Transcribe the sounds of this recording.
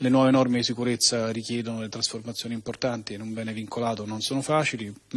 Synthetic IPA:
lenwɔːvenɔrmesikuɾet̪sːaɾikjɛːd̪onolet̪ɾasformat̪sːjoːnimport̪ant̪ienːombɛːneviŋkʰolaːt̪ononsoːnofaːt͡ʃili

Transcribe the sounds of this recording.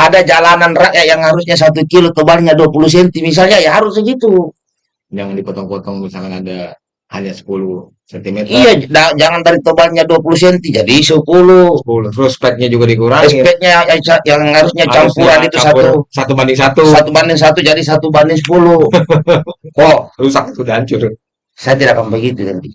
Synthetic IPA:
ʔadad͡ʒalananraʔjajaŋhaɾus̬ɲas̬at̪ukilot̪obalɲaduapulus̬ɛnt̪imis̬alɲaijaɦaɾusaɡit̪u | d͡ʒaŋandipɔt̪ɔŋkɔt̪ɔŋmisakanada | haɲasə̥pulu | sɛnt̪imɛtijaad͡ʒaŋandaɾit̪obalɲaduapulus̬ɛnt̪id͡ʒadisəpulupulut̪ɾuspɛt̪̚ɲad͡ʒuɡadikuɾaɛŋsipɛt̪̚ɲaajat͡ʃajaŋŋhaɾusɲat͡ʃampuɾanit̪usat̪usat̪ubandɪŋsat̪usat̪ubandɛŋs̬at̪ud͡ʒadisat̪ubandɛŋsəpulu | kɔrusak̚it̪udaɲt͡ʃʊr | sajat̪idakampɛɡit̪ut̪ɛnt̪i

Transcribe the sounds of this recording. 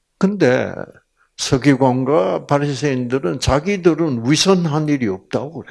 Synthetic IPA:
kɯnde̞̰ | sʰʌɡiɡwanɡapaɾisʰeindɯɾɯnt͡ɕaɡidɯɾɯnwisʰʌnɦaniɾiʌp̚t͈akɯɾe

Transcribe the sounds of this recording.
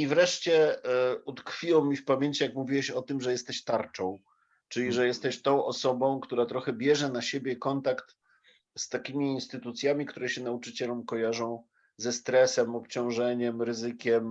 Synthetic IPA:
ivɾɛʂt͡ɕɛut̪kfʲiwɔmʲifpamʲjeɲt͡ɕijakmuvʲiwɛɕɔt̪ɘmʐɛjɛst̪ɛɕt̪aɾt͡ʂɔ̃w̃ | t͡ʂɘlʲiʐɛjɛst̪ɛɕt̪ɔ̃w̃ʔɔsɔbɔ̃w̃kt̪uɾat̪ɾɔxɛbʲjɛʐɛnaɕebʲjɛkɔnt̪akt̪ | st̪akʲimʲiːnst̪ɘt̪ut̪sʲjamʲikt̪uɾɛɕɛn̪aut͡ʂɘt͡ɕɛlɛmkɔjaʐɔ̃w̃ | zɛst̪ɾɛsɛmɔpt͡ɕɔ̃w̃ʐɛɲɛmɾɘzɘkʲɛm

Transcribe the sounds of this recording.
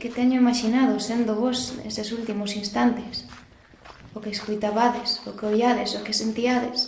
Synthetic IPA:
ket̪ɛɲʊimaʃinaðosend̪ʊβɔsnḛsesult̪imʊsinst̪ant̪es | okeːskojt̪aβaðesokeojaðesokesent̪iaðes

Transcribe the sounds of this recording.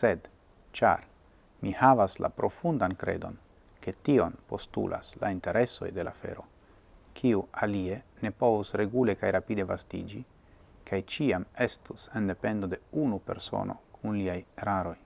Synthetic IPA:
se̞d | t͡ʃa̰ɾ | mihavasla̰pɾo̞fundankɾe̞̰do̞̰n | ke̞tio̞npo̞stṵlʔa̰sla̰inte̞ɾe̞so̞̰jde̞lafe̞̰ɾo̞ | kʰiualie̞ne̞po̞vusɾe̞ɡule̞kajɾapide̞vastḭd͡ʒi | kʰajt͡ʃiame̞stusende̞pe̞ndo̞de̞unupe̞̰ɾso̞̰nʔo̞̰kʰunliajeɾaɾo̞j

